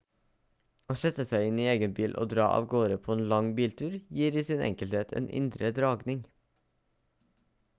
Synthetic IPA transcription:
oːsɛt̪əsæɪɪniːeːɡənbiːlʔo̰ːd̪ɾɑ̰ːʔɑ̰ːʋɡoːɾəpʰoːeːnlɑŋbiːlt̪ʰʉːɾjiːɾiːsɪnɛ̰ŋkəlt̪eːt̪ʰḛːnʔɪ̰nd̪ɾəd̪ɾɑːɡnɪŋ

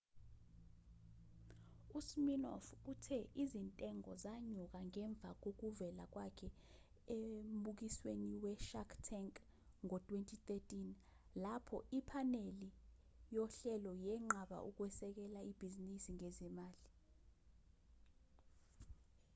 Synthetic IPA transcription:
usminɔ̰futʰɛʔizintʼɛŋɔzaɲuk̬aŋɛɱb̪vʱa̰k̬ok̬uvɛlak̬wakʰɛ | emɓuk̬isweniwɛʃakʰtʰɛŋkʼ | ŋɔtʼwentʼʰit̪etʼin | lapʰɔʔipʰaneli | jɔɬɛlɔjɛŋ͡ǁaɓa̰ʔuk̬wɛsɛk̬ɛlaib̥ʱizinisiŋezimaːli

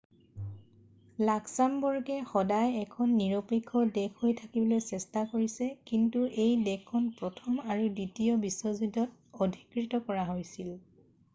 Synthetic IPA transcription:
laksambɔɹɡɛxɔdajɛkʰɔnːiɹopekʰːɔdɛkʰɦojtʰakibɔlojsɛstakoɹisɛkintuʔejdɛkʰːɔnpɹɔtʰɔmaɹuditijɔbiswɔzudɔtodʱikɹitɔkɔɹaɦojsil

